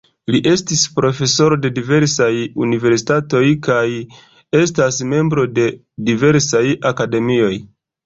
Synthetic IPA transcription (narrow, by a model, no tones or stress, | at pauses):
liʔe̞stispɾo̞fe̞so̞ɾo̞de̞dive̞ɾsajunive̞ɾsi̥tato̞jkaj | e̞stasme̞mbɾo̞de̞ | dive̞ɾsajakade̞mio̞j